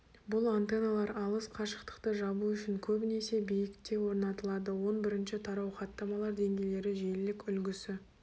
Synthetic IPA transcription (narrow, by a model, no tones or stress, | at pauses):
bʊlˠant̪e̞nalˠɑɾɑlˠəsqʰɑʃə̥qt̪ə̥qt̪əʒɑbuʏʃɪŋkʲʰɵbne̞se̞bijɪkt̪e̞wo̞ɾnɑt̪əlˠɑd̪əwo̞nbɪɾɪnʃɪt̪ʰɑɾɑwχɑt̪ːɑmɑlˠɑɾd̪e̞ŋɡʲe̞jle̞ɾɪʒelɪkʲʏlɡʲɪsɪ